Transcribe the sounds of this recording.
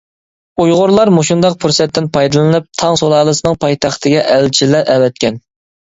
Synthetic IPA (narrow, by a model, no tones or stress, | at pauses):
ujʁʊɾlˠɑɾmoʃund̪ɑq̚pʰuɾsɛt̪ʰːɪnpʰɑjd̪ɨlˠɨnɨp̚t̪ʰɑŋsolˠɑːlˠɨsɨnɨŋpʰɑjt̪ʰɑχt̪ʰɨɡʲɛʔɛlt͡ʃʰilæɾɛwɛt̪̚kʲʰɛn